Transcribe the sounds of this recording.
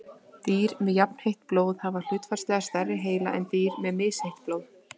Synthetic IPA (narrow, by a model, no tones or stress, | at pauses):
t̪iːɾmɛðjapn̥hejht̪̚ploːwðhaval̥ʏːt̪farst̪lɛɣast̪ɛrːɪɦeːjla̰ʔɛ̰nt̪iːɾmɛðmɪːshejht̪̚ploːwð